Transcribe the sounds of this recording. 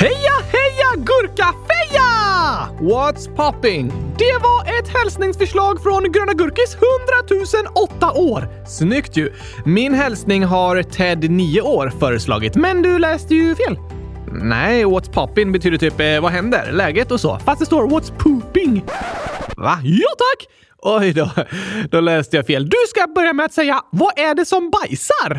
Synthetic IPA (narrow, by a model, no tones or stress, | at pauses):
hɛjahɛjaɡɵɾkafɛja | wɔt̪spʰɔpːɪŋd̪̥ɛvaɾʔɛt̪hɛlsnɪŋsfœʂɭɑːɡfɾɔnɡɾøːnaɡɵɾkɪshɵnd̪ɾat̪ʰʉ̟ːsənɔt̪ːaʔoːɾ | snʏkt̪ʰjɵ | mɪnɦɛlsnɪŋɦaɾt̪ʰɛd̪niːʊoːɾfœːɾəslɑ̰ːɡɪt̪mɛnd̪ɵlɛːst̪əjɵfeːl | nɛ̰ɪwɔt̪spʰɔpːɪŋbɛt̪ʰyːd̪əʈ̪ʰyːpvaɦɛnd̪ə̰ɾlɛːɡət̪ɔsɔ̰ːfast̪d̪ɛst̪oːɾvɔt̪spʰʉːpɪŋ | va̰jɑːt̪ʰakː | ʔɔjd̪ɔd̪̥ɔlɛːst̪əjɑfeːld̪ɵskabœɾjamɛat̪sɛjːavaʔæɖɛsɔmbajsaɾ